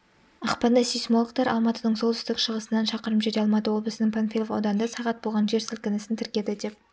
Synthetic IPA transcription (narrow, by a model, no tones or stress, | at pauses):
ɑqpɑnd̪ɑsijsmolˠəqt̪ɑɾʔɑ̰lˠmɑt̪əd̪əɴsolˠt̪ʰʏst̪ɪkʃəʁəsənːɑnʃɑqəɾəpʒed̪eɑlˠmɑt̪əwo̞lˠbəsənɪŋpʰonfʲijlˠofɑ̰wd̪ɑnd̪ɑsɑʁɑt̪̚bo̞lˠʁɑnʒe̞ɾsɪlkʲɪnɪsɪnt̪ʰɪɾkʲe̞d̪ɪd̪e̞p̚